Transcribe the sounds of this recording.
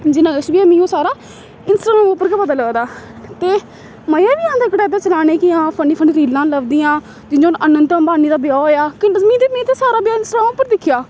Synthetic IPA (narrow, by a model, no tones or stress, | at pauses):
d͡ʒɪnãːəʃbiãːmĩːõːsaːɾaː | ɪnsʈɾaːoːpəɾkəpaːd̪aːləːd̪aː | t̪eː | məjaːʋiːãːnd̪eːkəɽɛːd̪eːt͡ʃəlaːneːkɪɦãːpʰəɳiːpʰəɳiːɾiːlãːləʋd̪iːãː | d͡ʒɪd͡ʒoːnənənt̪ə̃ːbaːniːd̪aːbjaːoːjaːkɪmĩːt̪emĩːt̪eːsaːɾaːbjaːɪnsʈɾãːʊpːəɾd̪ɪkʰɪjaː